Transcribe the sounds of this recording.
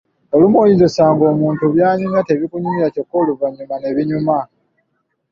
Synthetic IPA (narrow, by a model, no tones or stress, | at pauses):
olumoɲizosaːŋɡo̞ːmuːntuβjaːɲumate̞βikuɲumiɾaco̞kːoːluvaɲːumane̞βiɲuma